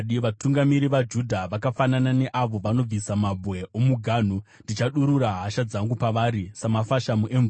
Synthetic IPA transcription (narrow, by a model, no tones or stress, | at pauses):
ɗiʋatuŋɡamiɾiʋad͡ʒudʱaʋakafananane̞ʔaʋo̞ʋano̞b͡visamabʱwe̞omuɡʱaːn̤u | ndit͡ʃaɗuɾuɾaɦaʃad͡zaŋɡupaʋaːɾisamafaʃamuʔeɱ